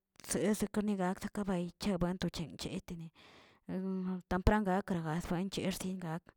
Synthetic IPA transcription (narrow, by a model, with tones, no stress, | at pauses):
se˨˧˦se˧ka˦ɾni˧ɡa˧ksa˦ka˦ba˧jt͡ʃe˦bwe˦nt̪o˧t͡ʃe˨ŋt͡ʃḛ˨˦t̪i˧ni˨ | t̪a˧mpɾa˦ŋɡa˧˦kɾa˨ɡa˨sbwe˧˦nt͡ʃe˧˦ɾsi˦nɡa˧k